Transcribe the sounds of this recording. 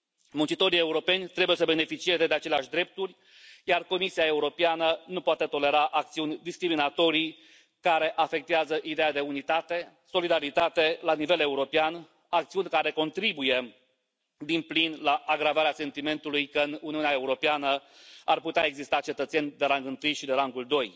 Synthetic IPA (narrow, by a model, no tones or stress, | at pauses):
munt͡ʃit̪o̞ɾie̞uɾo̞pe̞nʲt̪ɾe̞buje̞səbe̞ne̞fit͡ʃie̞ze̞d̪eat͡ʃe̞leaʃʲd̪ɾe̞p̚t̪urʲ | jarko̞misiae̞uɾo̞peanənupoat̪e̞t̪o̞le̞ɾaʔak̚t̪siunʲd̪iskɾiminat̪o̞ɾi | kaɾe̞ʔafe̞k̚t̪eazəʔid̪e̞jad̪e̞unit̪at̪e̞ | so̞lid̪aɾit̪at̪e̞lanive̞le̞uɾo̞pean | ak̚t̪siunʲkaɾe̞ko̞nt̪ɾibuje̞ | d̪implinlaʔːɡɾavaɾease̞nt̪ime̞nt̪ulujkəɨnuniuneae̞uɾo̞peanə | arput̪eaeɡzist̪at͡ʃe̞t̪ət̪senʲd̪e̞ɾaŋɡɨnt̪ɨjʃid̪eɾaŋɡuld̪o̞j